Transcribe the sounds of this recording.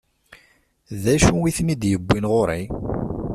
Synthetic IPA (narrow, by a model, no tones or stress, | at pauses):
ðæʃuwiθnid̪jəbːinʁʊɾˤi